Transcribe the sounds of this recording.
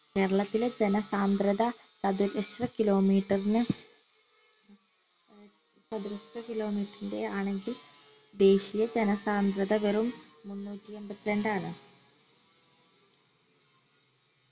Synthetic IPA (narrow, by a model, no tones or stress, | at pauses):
ke̞ːɾɐɭɐt̪ːiled͡ʑenɐsaːnd̪ɾɐðɐsɐd̪uɾeɕrɐkilo̞ːmiːʈːɐrinɨ | sɐd̪iɾɐst̪ɐkilo̞ːmiːʈːɐrinde̞aːɳe̞ŋɡild̪e̞ːɕijɐd͡ʑe̞nɐsaːnd̪ɾɐðɐʋerumːunːuːtːie̞mbɐt̪ːileɳɖaːɳɨ